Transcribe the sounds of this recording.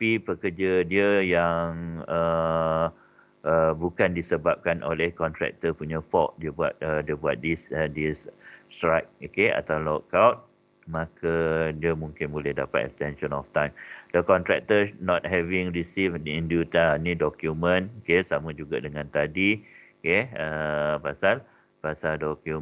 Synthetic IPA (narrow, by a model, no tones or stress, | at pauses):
pipəkərd͡ʒadiəjaŋə | ʔəbukandisəbap̚kanʔo̰lɛhkɔnt̪ɾɛ̰k̚t̪əpuɲafɔk̚diəbuat̪̚ədiəbuat̪̚disədisstɾak̚okea̰t̪awlɔkawt̚ | mãkʰadiəmũŋkɪnbulɛhdapat̪ɛ̰kst̪ɛnʃɔ̃nɔ̰ft̪ãjmdəkɔnt̪ɾɛk̚t̪ənɔt̪̚hɛvĩŋɹisifĩndut̪anĩdɔkjumə̃nokesamãd͡ʒuɡadəŋãnt̪adi | keəpasal | pasaldɔkju